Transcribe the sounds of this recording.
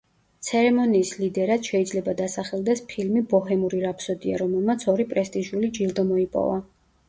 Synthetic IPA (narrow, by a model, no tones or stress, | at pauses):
t̪sʰɛɾɛmɔniːslid̪ɛɾad̪̥ʃɛid̪zlɛbad̪asaχɛlˠd̪ɛspʰilmibɔɦɛmuɾiɾapʰsɔd̪ia̰ɾɔmɛlˠmat̪sʰɔɾipʼɾɛst̪ʼiʒulid͡ʒilˠd̪ɔmɔipʼɔ̰va